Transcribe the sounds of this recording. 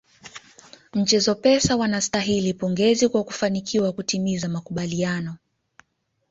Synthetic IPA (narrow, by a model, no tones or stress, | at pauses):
ɲ̩t͡ʃɛzɔpɛsawanastaɦilipɔŋɡɛzikwaku̥fanikʰiwakutimizamakuɓalianɔ